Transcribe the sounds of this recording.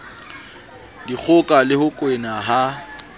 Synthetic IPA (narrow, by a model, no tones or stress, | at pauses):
dik͡xʰʊkʼalɪhʊkʼwenaɦa